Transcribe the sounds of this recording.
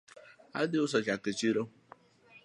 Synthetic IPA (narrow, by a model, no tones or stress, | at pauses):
a̰dɪʊs̬ɔt͡ʃakət͡ʃiɾo